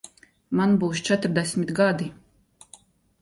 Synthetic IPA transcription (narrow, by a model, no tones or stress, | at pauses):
manbuːst͡ʃɛt̪ɾd̪ɛsʲmit̪ɡad̪i